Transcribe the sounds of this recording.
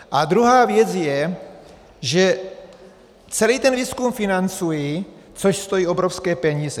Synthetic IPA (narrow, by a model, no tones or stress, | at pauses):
ʔad̪ɾuɦaːvjɛt͡sjɛ | ʒɛ | t͡sɛliːt̪ɛnviːskumfinant͡suji | t͡soʃst̪ojiːʔo̞bɾofskɛːpɛɲiːzɛ